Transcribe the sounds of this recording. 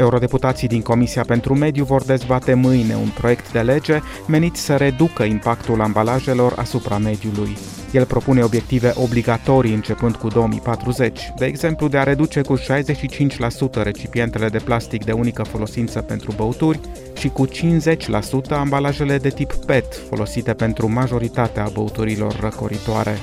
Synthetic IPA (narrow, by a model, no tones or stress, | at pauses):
e̞uɾo̞d̪e̞put̪at̪sijd̪iŋko̞misiape̞nt̪ɾume̞d̪juvo̞rd̪e̞zbat̪e̞mɨjne̞̰ṵnpɾo̞je̞kt̪d̪e̞le̞d͡ʒe̞ | me̞nit̪sʲsəɾe̞d̪ukəimpakt̪ulambalaʒe̞lo̞ra̰supɾame̞d̪juluj | je̞lpɾo̞pune̞o̞bje̞k̚t̪ive̞ʔo̞bliɡat̪o̞ɾiɨnt͡ʃe̞pɨnd̪̚kud̪o̞omḭjpat̪ɾuze̞t͡ʃʲd̪e̞ːɡze̞mplud̪e̞aɾe̞d̪ut͡ʃe̞kuʃajze̞ʃit͡ʃint͡ʃʲlasut̪əɾe̞t͡ʃipie̞nt̪e̞le̞d̪e̞plast̪ikd̪e̞unikəfo̞lo̞sint̪səpe̞nt̪ɾubəut̪urʲ | ʃikut͡ʃinze̞t͡ʃʲlasut̪əambalaʒe̞le̞d̪e̞t̪ipːe̞t̪fo̞lo̞sit̪e̞pe̞nt̪ɾumaʒo̞ɾit̪at̪eabəut̪uɾilo̞̰rːəko̞̰ɾit̪oa̰ɾe̞̰